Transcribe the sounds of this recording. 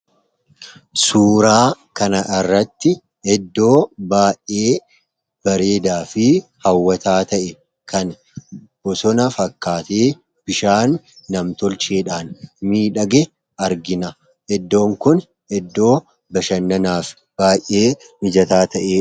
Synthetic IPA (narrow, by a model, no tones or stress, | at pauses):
suːɾaːkɐnɐʔɪrːɐt̪ːɪ | ɛd̪ːo̞ːbaːjʔʔeː | b̥ɐɾe̞ːd̪aːfɪhɐwːɐt̪aːt̪ɐʔɛ | kʰɐn | b̥ɔsɔnɐfɐkːaːt̪eː | b̥ɪʃaːnː | ɐmt̪ɔlt͡ʃeːᶑaːnmiːᶑɐɡɛ | ɐɾɡɪnɐ | ɛd̪ːo̞ːŋkʊn | ɛd̪ːo̞ː | bɐʃɐnːɐnaːf | b̥aːjʔːe̞ː | mɪd͡ʒɐt̪aːt̪ɐʔeː